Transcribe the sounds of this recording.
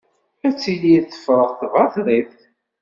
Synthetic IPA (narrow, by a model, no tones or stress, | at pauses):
æt͡sːiliðθə̥fɾˤəʁθvæθɾˤiθθ